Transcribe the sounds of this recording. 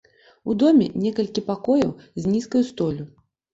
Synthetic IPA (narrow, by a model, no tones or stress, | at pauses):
ud̪ɔmʲɛ̰nʲɛkɐlʲkʲipakɔjɐwzʲnʲiskɐjust̪ɔlʲu